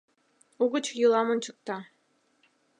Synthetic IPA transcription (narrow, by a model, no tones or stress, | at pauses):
uɣət͡ɕjulˠɑmont͡ɕə̆k̚t̪ɑ